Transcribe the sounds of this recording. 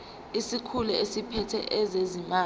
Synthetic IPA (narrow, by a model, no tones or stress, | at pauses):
isikʰulɛesipʰɛtʰɛ̰ʔɛzezimaː